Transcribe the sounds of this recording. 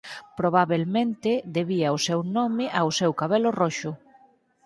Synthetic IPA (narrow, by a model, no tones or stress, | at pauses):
pɾoβ̞aβelmẽnt̪ɪðeβiaosewnɔmɪʔawsewkaβelorɔʃʊ